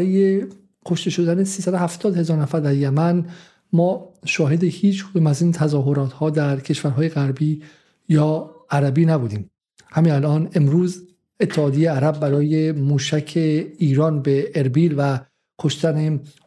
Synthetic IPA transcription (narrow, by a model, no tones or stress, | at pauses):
ɾɒːje | kʰoʃt̪e̞ʃo̞d̪ænesiːsæd̪ohæft̪ʰɒːd̪he̞zɒːɾnæfæɾd̪æɾjæmæn | mɒːʃɒːɦe̞d̪e̞hiːt͡ʃʰkʰod̪umæziːnt̪ʰæzɒːɦo̞ɾɒːt̪hɒːd̪æɾcʰe̞ʃvæɾɦɒːjeɣæɾbiː | jɒːæɾæbiːnæbuːd̪iːm | hæmiːnælʔɒːne̞mɾuːz | e̞t̪ʰːehɒːd̪ejeæɾæbːæɾɒːjemuːʃæcʰeiːɾɒːnbeʔːɾbiːlvæ | kʰo̞ʃt̪æne